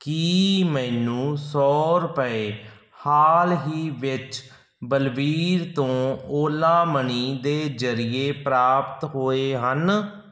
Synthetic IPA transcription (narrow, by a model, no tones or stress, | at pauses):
kiːmɛːnũːsɔːɾʊpəeː | haːlɦiːʋɪt͡ʃ | bəlʋiːɾt̪õːoːlãːməniːd̪eːzəɾɪeːpɾaːpt̪ɦoːeːɦən